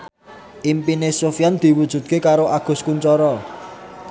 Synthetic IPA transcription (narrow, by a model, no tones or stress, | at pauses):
ʔimpinesofjand̪̥i̤wud̥ʒ̥ṳt̪̚kekaɾoʔaɡ̥ʊ̤skuɲt͡ʃɔɾɔ